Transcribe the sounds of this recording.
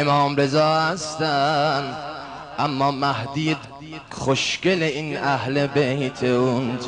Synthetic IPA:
emɒːmɾe̞zɒːhæst̪æn | ʔæmːɒːmæhd̪iːd̪ | χoʃkeleinæhlebejt̪ʰeun

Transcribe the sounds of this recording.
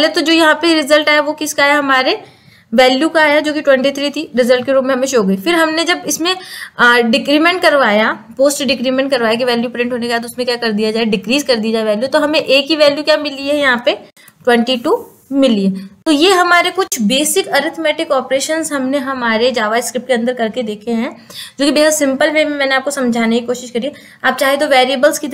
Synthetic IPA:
let̪od͡ʒoːjɐɦãpeɾɪzəlʈaːjaʋokɪskaːɦjaɦɐmaːɾe | ʋɛːljukaːjad͡ʒoːkiʈwɛ̃ɳʈit̪ʰɾiːt̪ʰiɾɪzəlʈ̚keɾuːpmẽɦɐmẽʃoːɡɐifɪɾɦɐmned͡ʒɐbɪsmẽɖɪkɾiːmẽɳʈ̚kɐɾʋaːja | poːsʈɖɪkɾiːmɛ̃ɳʈ̚kɐɾʋaːjak̬iʋɛːljupɾɪ̃ɳʈɦoːnekajet̪oʊsmẽkjaːkɐɾd̪ijad͡ʒaːeɖɪkɾiːzkɐɾd̪ijad͡ʒaːeʋɛːljut̪oɦɐmẽʔeːkɦiʋɛːljukjaːmɪliɦɛjɐɦãpe | ʈwɛ̃ɳʈiʈu | mɪliɦet̪ojeɦɐmaːɾekʊt͡ʃʰbeːsɪkɐɾɪt̪ʰmɛːʈɪkɔːpɾeːʃənzɦɐmneɦɐmaːɾed͡ʒaːʋaɪskɾɪp̚ʈkeɐ̃nd̪əɾkɐɾked̪eːkʰeɦɛ̃ːd͡ʒõːkibeːɦəd̪sɪ̃mpəlmeːmẽmɛ̃ːneaːp̚kosɐ̃md͡ʒʱaːnekikoːʃɪʃkɐɾie | aːp̚t͡ʃaːɦet̪oʋɛːɾiəbəlskit̪

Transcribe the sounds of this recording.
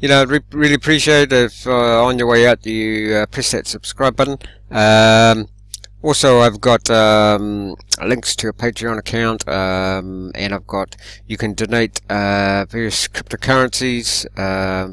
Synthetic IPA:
jɨnoʊaɹiɹɪlˠiəpʰɹ̥iʃieɪɾɪfə̃njə˞weɪat̚ɨʌpʰɹ̥isɛtsəb̥skɹaɪbə̃n | ʌm | ɔlˠsoʊaɪvɡɑtʌmlɪ̃ŋkstʰɨːpʰeɪtɹ̥iə̃nəkʰãʊ̃ntʰʌmɨ̰̃naɪvɡɑtjɨkʰɨ̃ndɨneɪtʌvɛɹiɨskʰɹ̥ɪp̚toʊkʰʌɹɨ̃nsiz̥ʌm

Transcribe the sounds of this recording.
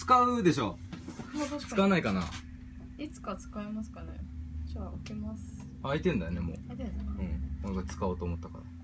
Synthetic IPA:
t͡sɨ̥kaɯd̪e̞ɕoː | t̪at͡sɨkaanaikana̰ | it͡sɨ̥kat͡sɨ̥kaimasɨ̥kanḛt͡ɕaokemasɨ̥ | ait̪ẽnd̪ajone̞mo̞̰ːeɯ̟̃ɴnãŋkat͡sɨ̥kaoːt̪oːmot̪ːaka̰na̰

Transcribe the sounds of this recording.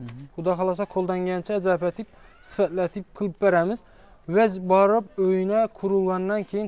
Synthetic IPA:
χʊd̪ɑχɑlˠɑsɑqʰolˠd̪ɑŋɡʲɛnt͡ʃʰɛːd͡ʒɑpæt̪ʰɪp̚sɪ̥fæt̪læt̪ʰɪp̚qʰɨlˠɨp̚beɾæmɪz | wæd͡ʒbɑɾɨp̚øjinɛkʰʊɾulˠɡɑnd̪ɑnkʲʰejin

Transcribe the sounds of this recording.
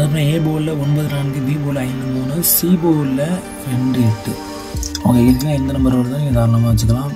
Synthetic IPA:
ɐðɐp̬ːɐneːboːllːɐɔnbɐðɯnaːɳɡɯd̪iːboːlɐɪnd̪ɯmuːnɯsiːboːlːɐ | ɾɛɳɖɯɛʈːɯ | ɐʋɐŋɡɐɪd̪ɐŋɐɪnd̪ɐnɐmbɐɾoːɽɯt̪ãːniːŋɡɐkaːɾɐɳɐmaːʋɐt͡ʃːɯkːɐlãː

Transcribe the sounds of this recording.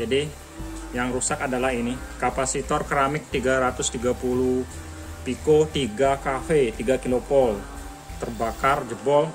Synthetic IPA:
d͡ʒadi | jaŋɾusakadalaɦinikapasit̪ɔrkɾamɪk̚t̪iɡaɾat̪ʊst̪iɡapuluh | pikot̪iɡakafet̪iɡakilopɔl | t̪ərbakard͡ʒəbɔl

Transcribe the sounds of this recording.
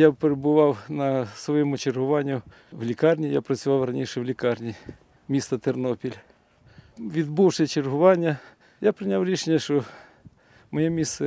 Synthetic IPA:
japeɾebʊʋɑwnɐsʋɔjɛmʊt͡ʃerɦʊʋɑnʲːʊ | wlʲikɑrnʲijapɾɐt͡sʲʊʋɑwrɐnʲiʃɛwlʲikɑrnʲi | mʲist̪ɐt̪ernɔpʲilʲ | ʋʲid̪buwʃɪt͡ʃerɦʊʋɑnʲːɐ | japɾɪnʲawɾʲiʃenʲːɐʃt͡ʃɔ | mɔjɛmʲist̪ɛ

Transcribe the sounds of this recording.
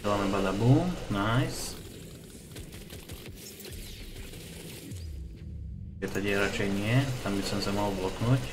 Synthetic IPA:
lamɛbad̪abuːmnajs | ɛt̪aɟjɛɾat͡ʃɛjɲɪɛt̪ambisɔmsɛmaɦlblɔknuc

